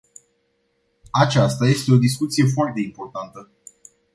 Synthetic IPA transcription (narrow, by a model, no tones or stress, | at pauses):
at͡ʃast̪aje̞st̪e̞o̞d̪is̬kut̪sije̞f̬oart̪ːe̞impo̞rt̪ant̪ə